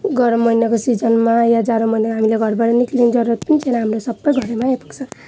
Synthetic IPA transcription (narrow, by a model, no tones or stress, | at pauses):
ɡʌɾmʌjnʌkosid͡zʌnmajad͡zaɾomʌjnakɦamileɡʱʌrbaɽʌniklind͡zʌɾuʌt̪pʌnit͡sʰʌjnʌɦamrosʌbːʌjɡʱʌɾemaepʌ̥kt͡sʰʌ